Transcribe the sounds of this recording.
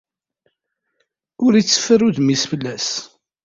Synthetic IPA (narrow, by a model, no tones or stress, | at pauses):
ʊɾit͡sːə̥fəruðmisfəlːæs